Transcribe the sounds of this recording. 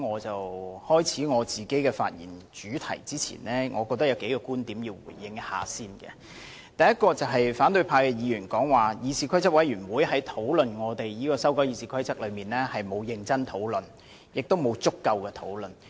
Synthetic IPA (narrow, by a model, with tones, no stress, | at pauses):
ŋɔː˨˧t͡sɐ˨whɔː˥jt͡sʰiː˨˥ŋɔː˨˧t͡siː˨˩ke˨˥jkɛː˧fa̰ː˧t̚jḭ˨˩nt͡ʃyː˨˥t̪ʰɐ̰˨˩jt͡siː˥t͡sʰḭ˨˩nlɛː˥ŋʔɔː˨˧kɔː˧k̚t̪ɐ˥kjɐ˨˧wke˨˥jkɔː˧kuː˥nt̪iː˨˥mjiː˧wwṵː˨˩jːɪ˧ŋha̰ː˨siː˥nɡɛ̰˧ | t̪ɐ˨jɐ˥t̚kɔː˧t͡sɐ˨wɦɐ˨jfaː˨˥nt̪ɵ˧ɥpʰaː˧jkɛ˧jiː˨˧ɥyː˨˩nkɔː˨˥ŋwaː˨jiː˨˧siː˨˧kʰɐ˥jt͡sɐ˥wɐ˨˥jɥyː˨˩nwuː˨˧jɦɐ˨˥jt̪ʰo˨˥wlɵ˨nŋɔː˨˧t̪e˨jjiː˥kɔː˧sɐ˥wkɔː˨˥jiː˨˧siː˨˩kʰɐ˥jt͡sɐ˥k̚lɵ˨˧miː˨nlɛː˥hɐ˨jmo˨˧wjɪ˧ŋt͡sɐ˥nt̪ʰo˨˥wlɵ˨n | jɪ˨k̚t̪o˥wmo˨˧wt͡sʊ˥kːɐ˧wkɛː˧t̪ʰo̰˨˥wlɵ˨n